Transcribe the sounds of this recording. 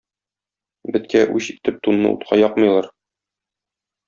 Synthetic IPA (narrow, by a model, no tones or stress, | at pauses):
bɘ̆t̪kæʔʉɕit̪ɘp̚t̪unːɤ̰ʔṵt̪qʰɑjɒqmɤ̆jlˠɑɾ